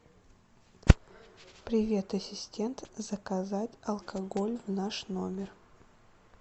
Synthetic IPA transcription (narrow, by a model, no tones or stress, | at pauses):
pɾʲɪvʲe̞t̪ɐsʲɪsʲtʲe̞nt̪zəkɐzatʲɐlˠkʰɐɡolʲvnaʂno̞mʲɪr